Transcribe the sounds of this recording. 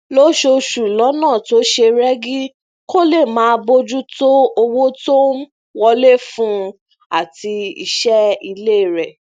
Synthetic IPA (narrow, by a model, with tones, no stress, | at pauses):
lo˦ʃo˧ʃu˨lɔ˨˦nãː˦˨to˨˦ʃe˧ɾɛ˦ɡi˦ | ko˦le˦˨mãː˨˦bo˦d͡ʒu˦to˦o˧wo˦to˦ | wɔ˧le˦fũ˦ | a̰˦˨ti˧ḭ˧ʃɛ˦i˧le˦˨ɾɛ˨